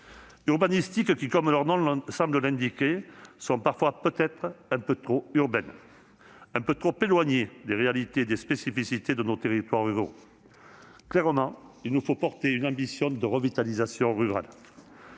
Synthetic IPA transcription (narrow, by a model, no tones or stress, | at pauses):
yʁbanist̪ikkʲikɔmlœʁnɔ̃sɑ̃bləlɛ̃d̪ikʲesɔ̃paʁfwapøt̪ɛt̪χɛ̃pøt̪χoyʁbɛn | ɛ̃pøt̪χopelwaɲed̪eʁealit̪eːd̪espesifisit̪ed̪ənot̪eʁit̪waʁyʁo̰ | klɛʁəmɑ̃ilnufopɔʁt̪eynɑ̃bisjɔ̃d̪əʁəvit̪alizasjɔ̃ʁyʁa̰l